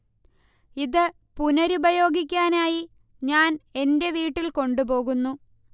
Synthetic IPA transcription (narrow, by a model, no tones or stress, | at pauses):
iðɨ | punɐɾubɐjo̞ːɡik̬ʲːaːnaːji | ɲaːne̞nde̞ʋiːʈːilko̞ɳɖubo̞ːɣunːu